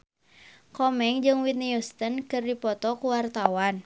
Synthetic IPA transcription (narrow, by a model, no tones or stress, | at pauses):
kɔmɛŋd͡ʒɨŋwit̪̚niust̪ənkɨrdipɔt̪ɔkuwart̪awan